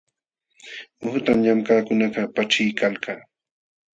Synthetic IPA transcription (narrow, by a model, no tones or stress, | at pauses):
ʊht̪amɲamkaːkʊnaqɑpaʈ͡ʂɪjkalkaː